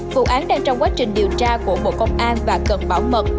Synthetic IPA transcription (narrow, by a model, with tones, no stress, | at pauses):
vṵ˧˨ʔaː˨˦nɗaː˧ŋt͡ɕɔ˧wŋ͡mkwaː˨˦˥t͡ɕï˨˩ŋ̟ɗi˨˩əwt͡ɕaː˧ku˧˩əɓo̰˧˨kə˧wŋ͡mʔaː˧nvaː˨˩kə˨˩nɓaː˧˩wmə˨˩t̚